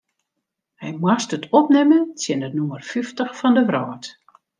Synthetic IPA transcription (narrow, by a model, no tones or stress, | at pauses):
hɛjmwastətʰɔpnɛmənsjɪnənumərfyftəxfɔndəʋrɔːt